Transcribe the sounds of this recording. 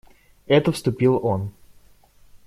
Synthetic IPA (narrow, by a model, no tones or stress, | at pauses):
ɛt̪əfst̪ʊpʲilˠon